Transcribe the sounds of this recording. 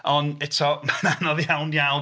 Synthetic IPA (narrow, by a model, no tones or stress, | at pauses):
ɔnɛtʰɔmananɔðjawnjawn